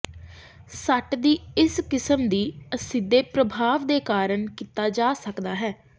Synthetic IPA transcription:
səʈd̪iːɪskɪsəmd̪iːəsɪd̪ːeːpɾəbʱaːʋd̪eːkaːɾəɳkiːt̪aːd͡ʒaːsəkd̪aːɦɛː

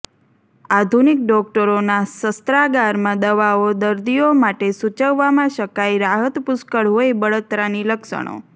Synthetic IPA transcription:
ad̪ʱunɪkɖɔk̚ʈəɾonasəst̪ɾaɡaɾmãd̪əʋaod̪əɾd̪ijomaʈesut͡ʃəʋːamãʃəkajɾaɦət̪pʊskəɭɦoibəɭət̪ɾaniləkʃə̰ɳ̃o̰

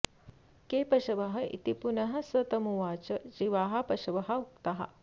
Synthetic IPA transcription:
keːpɐʃɐʋɐɦɐḭt̪ipunɐɦɐ̆sɐt̪ɐmuʋaːt͡ʃɐd͡ʑiʋaːɦɐpɐʃɐʋɐɦɐukt̪ɐɦɐ̰

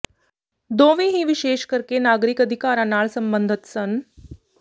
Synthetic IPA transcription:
d̪õʋiɦiːʋiɕeːʃkəɾkenaɡɾikəd̪ʱikaɾãnaːɭsəmbənd̪ʱət̪sən

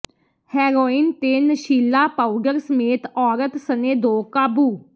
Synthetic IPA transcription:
hɛːɾoːint̪eːnəʃiːlaːpaːuɖəɾsəmeːt̪ɔːɾət̪səneːd̪oːkaːbuː

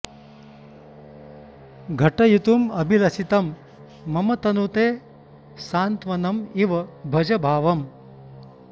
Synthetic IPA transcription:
ɡʱɐʈɐjut̪umɐbʱilɐsit̪ɐmː | ɐmɐt̪ɐnut̪eː | saːnt̪ʋɐnɐmiʋɐbʱɐd͡ʒɐbʱaːʋɐm

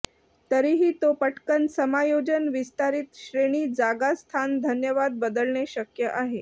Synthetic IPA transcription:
t̪əɾiɦiːt̪opəʈkənsəmajod͡ʑənʋist̪aɾit̪ɕɾeɽ̃iːd͡zaɡast̪ʰand̪ʱənjəʋad̪̚bəd̪əlɳeɕəkjəʔaɦe

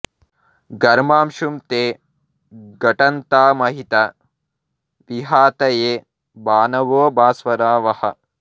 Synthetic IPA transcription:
ɡɐɾmaːmʃumt̪eː | ɡɐʈɐnt̪aːmɐɦit̪ɐ | ʋiɦaːt̪ɐjeː | baːnɐʋoːbaːsʋɐɾaːʋɐhɐ̰

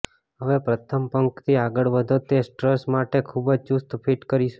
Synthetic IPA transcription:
ɦəʋepɾət̪ʰəmpəŋkt̪ʰiaɡəɭʋəd̪ʱot̪esʈɾəsmaʈekʰubəd͡ʒt͡ʃust̪pʰiʈkəɾiʃ

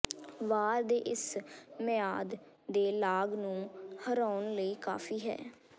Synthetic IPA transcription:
ʋaːɾd̪eːʔɪsmɪjaːd̪ | d̪eːlaːɡnũːhəɾaːʊnləiːka̰ːfʰiːɦɛ̰ː

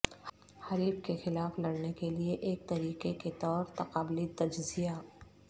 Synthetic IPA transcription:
hɐɾiːbkexɪlaːflɐɽnekelieʔeːk̚t̪ɐɾiːqeket̪ɔːɾt̪ɐqaːblit̪ɐd͡ʒzijaː

